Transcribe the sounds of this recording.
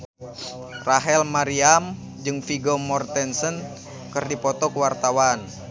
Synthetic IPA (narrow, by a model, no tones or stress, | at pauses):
raɦɛlmaɾiam | d͡ʒɨŋfiɡɔmɔrt̪ɛnsən | kɨrdipɔt̪ɔkəwart̪awan